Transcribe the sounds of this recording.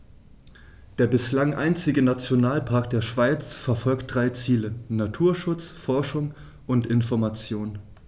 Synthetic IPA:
d̥eːɐbɪslaŋʔa̰ɪnt͡sɪɡənat͡sjonaːlpʰaɐkd̥eːɐʃv̥aɪt͡sfɛɐfɔlkt̚d̥ʁaɪt͡siːlənatʰuːɐʃʊt͡sfɔɐʃʊŋ | ʔʊntɪnfɔɐmat͡sjoːn

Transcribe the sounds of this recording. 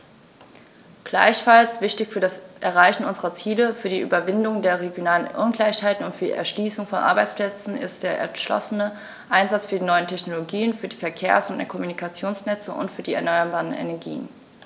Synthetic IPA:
ɡ̥la̰ɪçfalsv̥ɪçtɪçfyːɐdasʔɛɐʁaɪçn̩ʔʊnzəʁɐt͡siːləfyːɐdiːʔy̰ːbɐvɪndʊŋdeːɐʁeɡjonaːlənʔʊ̰nɡlaɪçhaɪtn̩ʊntfyɐdḭʔɛ̰ɐʃliːsʊŋfɔnʔa̰ɐbaɪt͡splɛt͡sn̩ɪ̰st̚d̥eːɐʔɛ̰ɐʃlɔ̰sənə | ʔaɪnzat͡sfyːɐdiːnɔʏəntʰɛçnoloɡiːənfyːɐdiːfɛɐkʰeːɐsʊntdɛkʰɔmunikʰat͡sjoːnsnɛt͡səʔʊ̰ntfyːɐdiːɛ̰ɐnɔʏɐbaːʁənḛnɛɐɡḭːən

